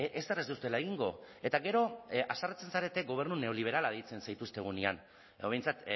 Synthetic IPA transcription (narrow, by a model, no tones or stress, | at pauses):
ʔesd̪erezd̪ust̪e̞lae̞ɣiŋɡo̞̰e̞t̪aɣe̞ɾo̞asarat͡se̞nsaɾe̞t̪e̞ɡo̞β̞e̞ɾnune̞o̞liβ̞e̞ɾalaðejt͡se̞nsajt̪ust̪e̞ɣ̞unian | oe̞jnt͡sat̪